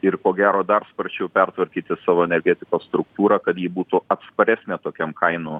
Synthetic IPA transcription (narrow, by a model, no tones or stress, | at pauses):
ɪrkoːɡʲæːɾoːd̪ɐrspɐɾʲt͡ʃʲɛʊpʲɛrt̪ʋɐɾʲkʲiːt̪ʲɪsɑːʋoːɛnʲɛɾʲɡʲæːt̪ʲɪkoːsst̪ɾʊkt̪uːɾɐkɐt̪jiːbuːt̪ʊɐt̪spɐɾʲæsʲnʲeːt̪oːkʲɛmkʰɐɪnoː